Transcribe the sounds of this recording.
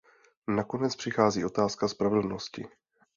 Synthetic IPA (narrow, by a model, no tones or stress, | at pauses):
nako̞nɛt͡spr̥ɪxaːziːʔo̞t̪aːskaspɾavɛl̩no̞scɪ̰